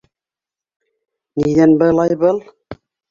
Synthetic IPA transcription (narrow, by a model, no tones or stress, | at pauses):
nid̪ænbɤ̆lˠɑjbɤlˠ